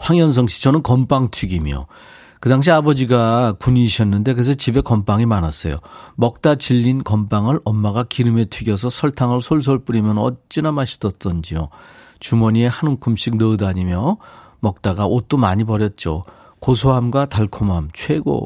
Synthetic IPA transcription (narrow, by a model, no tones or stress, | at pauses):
ɸwaŋjʌns̬ʰʌŋɕʰi̥t͡ɕʰʌnɯnkʌmp͈aŋtʰwiɡimjo̰ | kɯdaŋɕ̬ʰiabʌd͡ʑiɡakuɲiːɕʰʌnːɯnde̞kɯɾes̬ʰʌt͡ɕibe̞kʌmpaŋimanas͈ʌ̰jo̰mʌk̚t͈at͡ɕiʎːinkʌmpaŋɯɾʔʌmːaɡakiɾɯme̞tʰɥiɡjʌs̬ʰʌsʰʌɭtʰaŋɯɭsʰoɭs̬ʰoɭp͈uɾimjʌnʌtt͡ɕ͈inamaɕʰi̥dʌs͈ʌnd͡ʑio | t͡ɕumʌɲie̞hanuŋkʰumɕʰik̚nɯɯdaɲimjʌ | mʌk̚t͈aɡaʔot͈omaɲipʌɾjʌt̚t͡ɕ͈o̰ | kosʰoɦamɡwataɭkʰomɦamt͡ɕʰweɡo̰